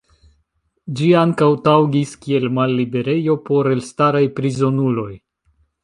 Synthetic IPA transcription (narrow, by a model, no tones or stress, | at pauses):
d͡ʒiaŋkawtawɡiskie̞lmalːibe̞ɾe̞jo̞po̞ɾe̞lstaɾajpɾizo̞nulo̞j